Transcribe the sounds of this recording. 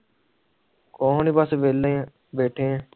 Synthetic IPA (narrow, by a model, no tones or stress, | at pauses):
koːniːbəsʋeːlẽː | beːʈʰẽː